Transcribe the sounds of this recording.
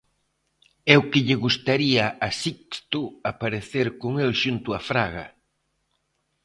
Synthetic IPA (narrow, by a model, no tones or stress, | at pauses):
ɛʊkɪʎɪɣust̪aɾiɐasikst̪ʊapaɾeθeɾkoŋelʃunt̪ʊafɾaɣɐ̰